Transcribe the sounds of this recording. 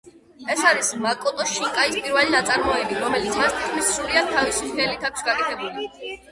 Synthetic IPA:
ɛsaɾismakʼɔt̪ʼɔʃiŋkʼaispʼiɾvɛlinat̪sʼaɾmɔɛbiɾɔmɛlit̪sʰmast̪ʰit̪̚ʰkʰmissɾuɾiad̪̚t̪ʰːavisiχɛlit̪ʰakʷʰsɡakʼɛt̪ʰɛbuli

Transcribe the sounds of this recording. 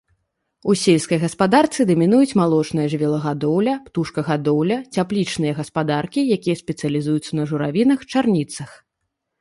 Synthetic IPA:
usʲelʲskɐjɣɐspad̪art̪sɨd̪ɐmʲinujut͡sʲmalˠɔt͡ʂnɐjɐʐvʲɛlˠɐɣad̪ɔwlʲɐpt̪uʂkɐɣad̪ɔwlʲɐt͡sʲaplʲit͡ʂnɨjɐɣɐspad̪arkʲijakʲijɐsʲpʲɛt̪sɨjɐlʲizujut̪sːɐnɐʐuɾavʲinɐxt͡ʂarnʲit̪sɐx

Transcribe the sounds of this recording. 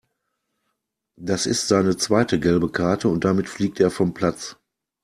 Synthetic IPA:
d̥asɪstz̥aɪnət͡sv̥aɪtəɡɛlbəkʰaɐtʰəʊnt̚d̥amɪtfliːk̚teːɐfɔmpl̥at͡s

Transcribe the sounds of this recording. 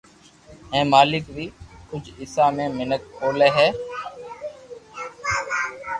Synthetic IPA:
ɦẽːmaːlɪkʋiːkʊd͡ʒʱɪsaːmẽːmɪnək̚oːleːɦɛː

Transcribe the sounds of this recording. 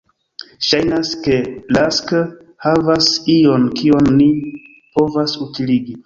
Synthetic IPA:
ʃajnaske̞lask | havasio̞nkio̞nːi | po̞vasutiliɡi

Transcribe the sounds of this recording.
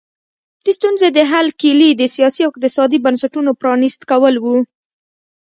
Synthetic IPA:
d̪̥est̪unzed̪əɦalkilid̪əsijɑsiawɪq̚t̪ɪsɑd̪ibansaʈunopɾɑnist̪kawəlwu

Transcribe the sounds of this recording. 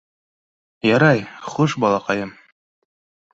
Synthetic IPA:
jɑɾɑjχuʃbɑlˠɑqɑjɤm

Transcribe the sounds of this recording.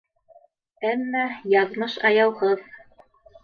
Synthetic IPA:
æmːæjɑðmɤʃɑjɑwʁɤð

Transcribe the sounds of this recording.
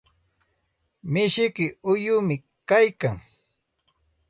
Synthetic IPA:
mɪʃɪkɪʊjʊmɪ | kajkaŋ

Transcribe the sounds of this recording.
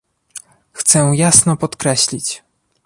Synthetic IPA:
xt̪sɛjasnɔpɔt̪kɾɛɕlʲit͡ɕ

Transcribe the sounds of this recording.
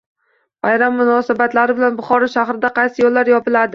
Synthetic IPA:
bajɾamːʊnɒsabat̪laɾɪbɪlanbʊχɒɾɒʃaχɾɪd̪aqɑjsɪjɒlːaɾjɒpɪlad̪ɪ

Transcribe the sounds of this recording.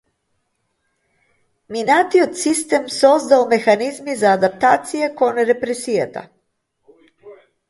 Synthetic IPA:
minat̪iot̪sist̪emsozd̪aomexanizmizaːd̪ap̚t̪aːt̪sijekonɾepɾesijat̪a̰

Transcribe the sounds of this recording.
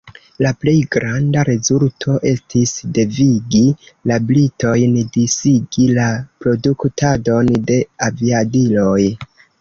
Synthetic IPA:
laple̞jɡɾandaɾe̞zultʰo̞ʔe̞stisde̞viɡilablito̞jndisiɡilapɾo̞duktado̞nde̞aviadilo̞j

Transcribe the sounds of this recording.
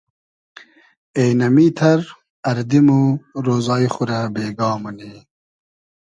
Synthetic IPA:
ejnɐmiːt̪ʰɐɾ | ɐɾd̪imuɾoːzɑːiχuɾɐbeːɡɑːmɐni

